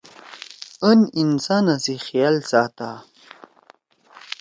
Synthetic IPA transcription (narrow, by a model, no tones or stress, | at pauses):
əninsanasixijalsaːt̪a